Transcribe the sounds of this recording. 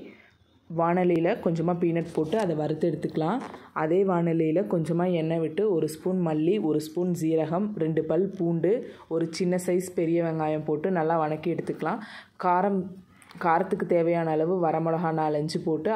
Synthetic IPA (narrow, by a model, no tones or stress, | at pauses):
ʋaːnɐlɪjɪlɐkɔɲd͡ʒɐmːaːpiːnɐʈ̚poːʈːɯɐðɐʋɐɾɯt̪ːɛɽɯt̪ːɯkːɐɭãːʔɐðeːʋaːɳɐlɪjɪlɐkɔɲd͡ʒɐmːaːɛnːɐʋɪʈːɯɔɾɯspuːnmɐlːiʔɔɾɯspuːnsiːɾɐɣɐmɾɛɳɖɯpɐlpuːɳɖɯɔɾɯt͡ʃɪnːɐsɐɪspɛɾɪjɐʋɐŋɡaːjɐmpoːʈːɯnɐlːaːʋɐnɐkːiɛɽɯt̪ːɯkːɐɭãːkaːɾɐm | kaːɾɐt̪ːɯkːɯt̪eːʋɐjaːnɐɐlɐʋɯʋɐɾɐmɔɭɐɣaːnalɐɲd͡ʒɯpoːʈːɯ